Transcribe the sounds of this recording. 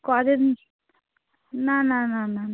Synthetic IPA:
kad̪en | nanananan

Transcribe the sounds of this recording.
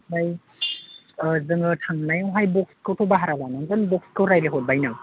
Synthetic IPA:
baj | zɯŋɯtʰaŋnajawɦajbɔk̚skʰɯwtʰobaɦaɾalanaŋɡɯnbɔk̚skʰɯwɾajleɦɔt̚bajnaŋ

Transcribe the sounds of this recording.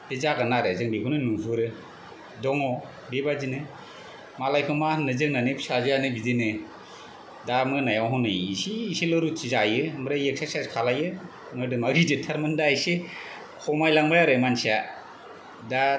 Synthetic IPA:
ezaɡanaɾɯzɯŋbikʰɯnɯnuŋbuɾɯ | dɔŋɔ | bebazinɯ | malajkʰɯmanɯzɯŋnanɯpsazɯjanɯbidenɯ | damɯnajawɦɔnɯjisiːselɯɾutʰizajɯmɾajek̚sasaskʰalajɯ | mɔjdɯmaɾidetʰaɾmɯndajse | kʰɔmajlaŋbajaɾɯmansia | da

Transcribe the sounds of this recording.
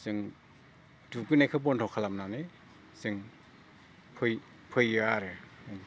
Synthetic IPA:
zɯŋ | dukɯnajkʰɯp̬ɔntʰɔkʰalamnanɯ | sɯŋ | pʰɯj | pʰɯjɯaɾɯ

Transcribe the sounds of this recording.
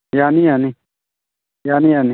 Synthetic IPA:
jaːnijani | janijani

